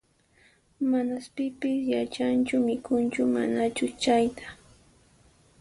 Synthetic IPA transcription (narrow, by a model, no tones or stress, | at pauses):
manaspɪpɪsjat͡ʃant͡ʃʊmɪkʊnt͡ʃʊma̰nat͡ʃʊt͡ʃajt̪ḁ